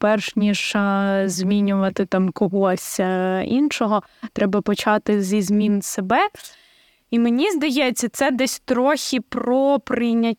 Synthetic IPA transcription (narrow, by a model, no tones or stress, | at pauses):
pɛrʃnʲiʃɐzʲmʲinʲʊʋɐt̪ɪt̪ɑmkɔɦɔsʲḭnʃɔɦɔ | t̪ɾʔɛbɐpɔt͡ʃɑt̪ɪzʲizmʲinsebɛ | imenʲizd̪ɐjɛt͡sʲːɐt̪sɛd̪ɛsʲt̪ɾɔxʲipɾɔpɾɪnʲɐtʲ